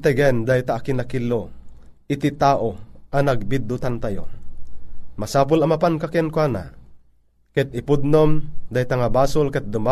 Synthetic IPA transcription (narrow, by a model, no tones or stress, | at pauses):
t̪ɛɡɛnd̪ajt̪aʔːkɪnakilːoʔɪt̪it̪aːʔoʔɐnɐɡ̚bid̪ːʊt̪ant̪ajo̰ | mɐsaːpʊlɐmapankakɛnkwaːna̰ | kɛt̪̚ɪpʊd̪̚nomd̪ajt̪aŋabaːsʊlkɛt̪̚d̪ʊma